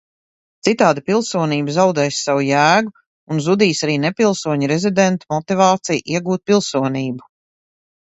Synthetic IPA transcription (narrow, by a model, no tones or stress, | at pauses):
t̪sit̪aːd̪ipilˠsuɔniːbzawd̪ɛːjsːawujæːɡu | unzud̪iːsaɾiːnepilˠsuɔɲuɾezid̪ent̪umɔt̪ivaːt̪sijʔiɛɡuːt̪̚pilˠsuɔniːbu